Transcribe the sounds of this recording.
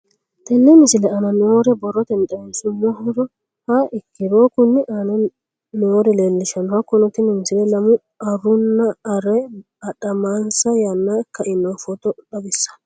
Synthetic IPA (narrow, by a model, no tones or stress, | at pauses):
t̪ɛnːɛmɪsɪlɛɐnɐnɪwoːɾɛbɔrːɔt̪ɛnt̪ʼɐmesʊmːɔhɔɾɔ | hɐɪkːɪɾoːkʊnːɪʔɐnɐ | nɪwoːɾɛleːlːɪʃɐnɔhɐkːɔnɔt̪ɪnɛmɪsɪlɛlɐmʊ | ɐrʊnːɐɐɾɛ | ɐᶑɐmaːnsɐjɐnːakːɐɪnːofɔt̪ɔᶑɐbɪsːɐ̥